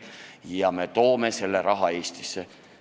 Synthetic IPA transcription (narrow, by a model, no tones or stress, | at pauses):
jɑme̞t̪o̞ːme̞se̞lːeɾɑɦɑe̞ːst̪ise